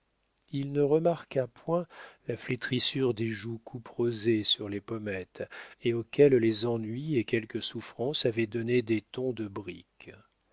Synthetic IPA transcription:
ilnəʁəmaʁkapwɛ̃laflet̪χisyʁd̪eʒukʰupχozesyʁlepɔmɛt̪eokʲɛllezɑ̃nɥiekʲɛlkəsufχɑ̃savɛd̪ɔned̪et̪ɔ̃d̪əbʁḭk

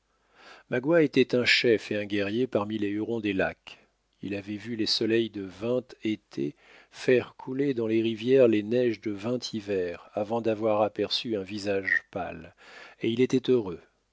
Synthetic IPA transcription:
maɡwaet̪ɛt̪ɛ̃ʃɛfeɛ̃ɡɛʁjepaʁmileyʁɔ̃d̪elak | ḭlavɛvylesɔlɛjd̪əvɛ̃t̪et̪ʰḛ | fɛʁkʰuled̪ɑ̃leʁivjɛʁlenɛʒd̪əvɛ̃t̪ʰivɛʁavɑ̃d̪avwaʁapɛʁsyɛ̃vizaʒpa̰leilet̪ɛt̪øʁø

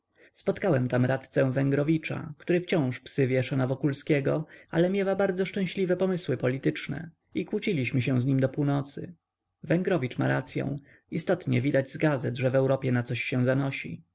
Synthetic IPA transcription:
spɔt̪kawɛmt̪amɾat̪t̪sɛ̃vɛŋɡɾɔvʲit͡ʂa̰kt̪uɾɘft͡ɕɔ̃w̃ʂpsɘvʲjɛʂanavɔkulskʲɛɡɔalɛmʲjɛwabaɾd̪zɔʂt͡ʂɛ̃w̃ɕlʲivɛpɔmɘswɘpɔlʲit̪ɘt͡ʂnɛ̰ | ikwut͡ɕilʲiɕmɘɕ̬ɛ̃w̃zɲimd̪ɔpuwnɔt̪sɘ̰ | vɛŋɡɾɔvʲit͡ʂma̰ɾat̪sʲjɔ̰̃w̃ | ist̪ɔt̪ɲɛvʲid̪ad͡ʑzɡazɛd̪ʐɛvɛwɾɔpʲjɛnat̪sɔɕːɛ̃w̃zanɔɕḭ

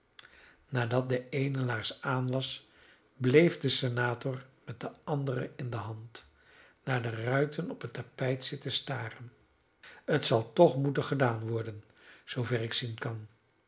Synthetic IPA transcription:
naːdɑt̚dəejnəlaːɹsaːnʋɑs | blejfdəsenaːtɔrmɛt̚dəɑndərəɪndəɦɑnt | naːɹdərœɥtʰənɔpətapɛjtsɪtəstaːrən | ətsɑlˠtɔχmutənχədaːnʋɔɹdən | z̥owvɛrɪksinkɑn

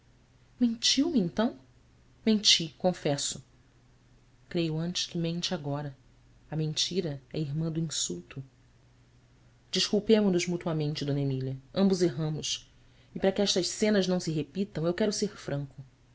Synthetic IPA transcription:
mẽnt͡ʃiwmɪẽnt̪ɐ̃w̃ | mẽnt͡ʃikõfɛsʊ | kɾejʊɐ̃nt͡ʃɪ̥ʃkɪmẽnt͡ʃɪaɡɔɾɐ | ɐmẽnt͡ʃiɾɐɛɐiɾmɐ̃d̪ʊĩsuwt̪ʰʊ | d͡ʒiʃkuwpẽmʊnʊzmut̪uɐmẽnt͡ʃɪd̪õnemilɐɐ̃mbʊzeɦɐ̃mʊʃ | ɪpɾɐkɪɛʃt̪ɐʃsẽnɐznɐ̃w̃sɪɦepit̪ɐ̃w̃ewkɛɾʊseɾfɾɐ̃ŋkʊ

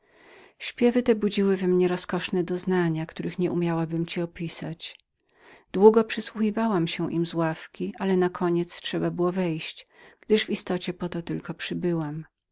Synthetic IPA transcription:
ɕpʲjɛvɘt̪ɛbud͡ʑiwɘvɛmɲɛɾɔskɔʂnɛd̪ɔznaɲakt̪uɾɘxɲɛʔumʲjawabɘmt͡ɕiɔpʲisat͡ɕ | d̪̥wuɡɔpʂɘswuxʲivawamɕɛʔimzwafkʲiʔalɛnakʰɔɲɛt̪stʂɛbabɘwɔvɛjɕt͡ɕɡ̥d̪ɘʐvist̪ɔt͡ɕɛpɔt̪ɔt̪ɘlkɔpʂɘbɘwam

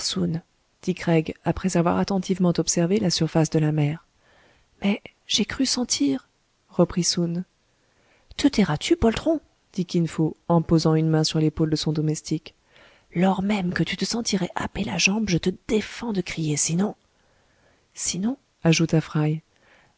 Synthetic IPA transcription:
sun | d̪̥ikχɛɡapχɛzavwa̰ʁat̪ɑ̃t̪ʰivmɑ̃t̪ɔpsɛʁvelasyʁfasd̪əlamɛːʁ | mɛ | ʒ̥ekχysɑ̃t̪ʰiʁ | ʁəpχisun | t̪ət̪iʁat̪ʰypɔlt̪χɔ̃ | d̪̥ikʲinfoɑ̃pozɑ̃ynmɛ̃syʁlepold̪əsɔ̃d̪ɔmɛst̪ʰik | lɔʁmɛmkət̪yt̪əsɑ̃t̪iʁɛʔapela̰ʒɑ̃bʒət̪əd̪efɑ̃d̪əkχijesinɔ̃ | sinɔ̃ | aʒut̪afχaj

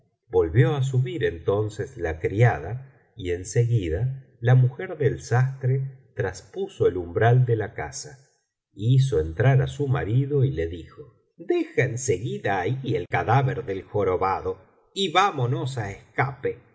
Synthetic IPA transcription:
bo̞lβjo̞as̬uβiɾe̞nt̪o̞nseslakɾiaða | ie̞nseɣiða | lamuxeɾðelsast̪ɾet̪ɾaspusoelumbɾald̪elaka̰sa | is̬o̞ent̪ɾaɾasuma̰ɾiðo̞ile̞ðixo | d̪exaenseɣiðaːielkaðaβeɾðelxoɾoβaðo | iβamonos̬aeskape

